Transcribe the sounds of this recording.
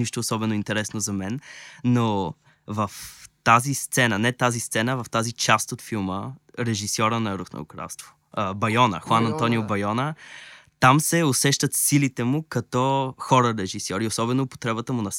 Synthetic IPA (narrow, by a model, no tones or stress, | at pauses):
iʃt̪oːsɔbɛnoint̪ɛɾɛsnozɐmɛnːo | vɐft̪azist̪sɛnənɛt̪azist̪sɛnəvɐft̪azit͡ʃast̪ot̪filˠməɾɛʒisɔɾənɐɾuxno̰ʊkɾa̰lˠst̪vo̥ | əbɐjɔnə̰xwanɐnt̪ɔniʊbɐjɔnət̪amsɛʊsɛʃt̪ət̪silit̪ɛmʊkɐt̪ɔxɔɾəɾɛʒisɔɾiosɔbɛnopo̥t̪ɾɛbət̪əmʊnɐs